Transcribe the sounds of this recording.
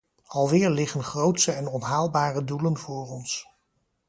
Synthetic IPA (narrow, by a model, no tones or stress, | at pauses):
ɑlˠʋɪːɹlɪχənχrowtsəɛnɔnɦaːlˠbaːrədulənvʊːrɔns